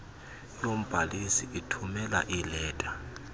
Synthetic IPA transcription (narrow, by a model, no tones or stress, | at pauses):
nom̩b̥ʱalisiʔitʰumɛla̰ʔilɛːtʼa